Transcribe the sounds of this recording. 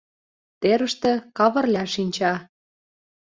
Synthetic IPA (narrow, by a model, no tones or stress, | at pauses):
t̪eɾə̆ʃt̪ĕkɑβɤ̆rlʲæʃinʲt͡ɕɑ